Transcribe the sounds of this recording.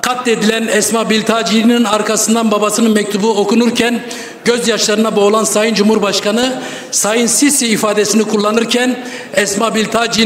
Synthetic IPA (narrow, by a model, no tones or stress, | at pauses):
kʰat̪ːed̪ilʲænɛsmabilʲt̪ʰaːd͡ʒininaɾkʰasɯnd̪anbabasɯnɯnmɛc̚t̪ʰubuo̞kunuɾcʰæn | ɟø̞zjaʃlˠaɾɯnabo̞lˠansajɯnd͡ʒumhuɾbaʃkanɯ | sajɯnsisiːfaːd̪esinikʰulˠːanɯɾcʰɛn | ɛsmabilʲt̪ʰad͡ʒi